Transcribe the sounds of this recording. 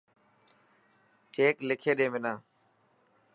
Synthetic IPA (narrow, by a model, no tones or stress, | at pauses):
t͡ʃeːklɪkʰeːɗẽːmɪnãː